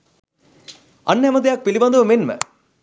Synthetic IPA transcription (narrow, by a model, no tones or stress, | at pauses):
ɐnːɦɛməd̪ejɐk̚pilibɐnd̪ɐʋəmenmə̰